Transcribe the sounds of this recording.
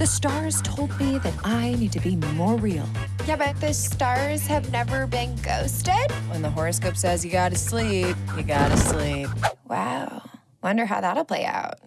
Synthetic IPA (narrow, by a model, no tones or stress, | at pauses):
ðɨstɑɹz̥tʰoʊlˠd̚miðɨɾaɪnid̚tʰɨbiməmɔɹil̩ˠ | jæbɛt̪̚ðɨstɑɹz̥hɨvnɛvə˞bɪ̃nɡoʊstɪd̥̚wə̃nðəɦɔɹɨskoʊpsɛzjɨɡɑɾɨslip̚jɨɡɑɾɨslip̚wa̰ʊ | wʌ̃ndə˞ɦaʊðətəl̩ˠpʰl̥eɪa̰ʊt̚